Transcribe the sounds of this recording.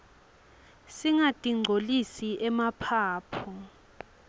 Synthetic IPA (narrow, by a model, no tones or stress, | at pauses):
siŋatʼiŋ͡ǀʱolisiʔɛmapʰaːpʰɔ